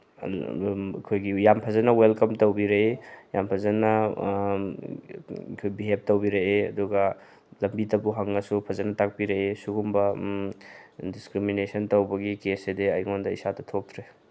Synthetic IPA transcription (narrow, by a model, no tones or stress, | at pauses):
kʰojɡijampʰɐzɐnɐwelkɐmtɐwbiɾeejampʰɐzɐnɐ | kʰojbiɦep̚towbiɾeeɐ̰duɡɐ | lɐmbitɐbuɦɐŋːɐsupʰɐzɐnɐtak̚piɾeesuɡumbɐ | diskɾiminesɐntowbɐɡikesediɐjŋondɐḭsatɐtʰop̚tʰɾe